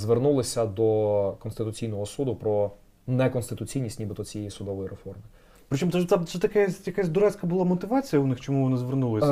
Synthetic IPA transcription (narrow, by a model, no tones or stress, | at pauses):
zʋernulˠɪsʲɐd̪ɔkɔnst̪ɪt̪ʊt͡sʲijnɔɦɔsud̪ʊpɾɔ | nɛkɔnst̪ɪt̪ʊt͡sʲijnʲisʲtʲnʲibɪt̪ɔt͡sʲijejisʊd̪ɔʋɔjiɾefɔrmɪ | pɾɪt͡ʃɔmt̪ɔʒt̪ɛt̪sɛt̪ɐkɛsʲjɐkasʲd̪ʊɾɛt͡sʲkɐbʊlˠɑmɔt̪ɪʋɑt͡sʲijɐʊnɪxt͡ʃɔmuʋɔnɪzʋernulˠɪsʲ